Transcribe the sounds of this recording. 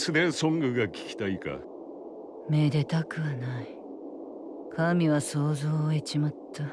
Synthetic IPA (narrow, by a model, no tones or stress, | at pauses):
sɨd̪esõ̞ŋɡɯ̟ɡakʲi̥kʲi̥t̪aika̰ | med̪e̞t̪akɯ̟βanai | kʰamʲiβaso̞ːzo̞ːet͡ɕimat̪ʰːa